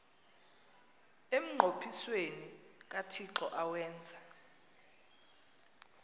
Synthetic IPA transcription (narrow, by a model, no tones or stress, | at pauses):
em̩ŋ͡ǃʱopʰiswenik̬ʼatʰiǁɔʔawɛːnd͡zʱa